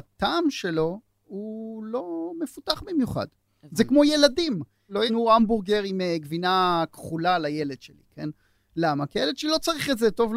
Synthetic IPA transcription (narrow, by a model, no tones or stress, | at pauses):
at̪aːmʃe̞lo̞ | ulo̞mefutaχbimjuχa̰d̥ | zekmo̞je̞ladim | lo̞jenuambuʁɡeʁimeɡvinakχulalaje̞led̪̥ʃelḭkʰe̞n | lamakijeled̥̪ʃelilo̞t͡saʁiχetzet̪o̞vl